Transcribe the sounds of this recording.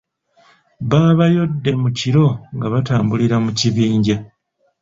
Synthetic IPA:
βaːβajo̞dːe̞muciɾo̞ŋɡaβataːmbuliɾamuciβiːɲɟa

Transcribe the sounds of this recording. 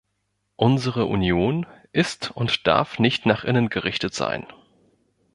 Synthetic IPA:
ʔʊnzəʁ̞əʔṵnjoːnʔɪstʊntd̥a̰ɐfnɪçtnaːχʔɪnənɡəʁɪçtətz̥a̰ɪn

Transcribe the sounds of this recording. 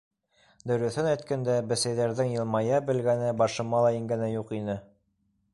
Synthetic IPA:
d̪ɵ̆ɾɵ̆θɘnæjt̪̚kænd̪æbɘ̆sæjðæɾðɘŋjɤ̆lˠmɑjɑbɘ̆lɡænɘbɑʃɤ̆mɑlˠɑiŋɡænæjuqinɘ

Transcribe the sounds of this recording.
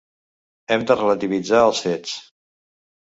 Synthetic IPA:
ɛmd̪ərələt̪iβid͡zaəlˠsɛt͡s

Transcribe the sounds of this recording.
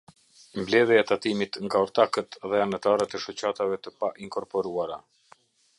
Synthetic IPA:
mblɛðjaɛt̪at̪imit̪ŋɡaɔɾt̪akət̪ðɛanat̪aɾət̪ɛʃɔt͡ɕat̪avɛt̪əpaʔiŋkɔɾpɔɾuaɾa

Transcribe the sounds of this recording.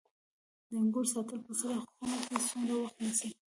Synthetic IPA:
d̪əŋɡʊɾsɑt̪əlpəsaɾaxxunaksunɾawaxt̪nasi

